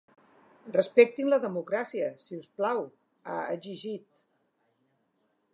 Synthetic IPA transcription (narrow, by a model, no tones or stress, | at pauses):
rrəspɛk̚t̪inləðəmukɾasiəsiusplaw | a̰ə̰ʒiʒit̪